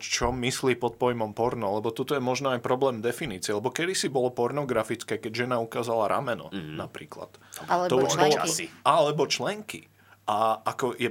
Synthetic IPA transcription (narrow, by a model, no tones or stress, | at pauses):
t͡ʃɔmisliːpɔt̪̚pɔjmɔmpɔɾnɔlɛbɔt̪ut̪ɔjɛmɔʒnɔajpɾɔblɛːmd̪ɛfiniːt͡sɪɛlɛbɔkɛd̪isibɔlɔpɔɾnɔɡɾafit͡skɛːkɛɟʒɛnaukaːzalaɾa̰mɛnɔ̰napɾḭːkla̰t̪at̪ɔuʒbɔlɔalɛbɔt͡ʃlɛŋkḭ | ʔaakɔjɛ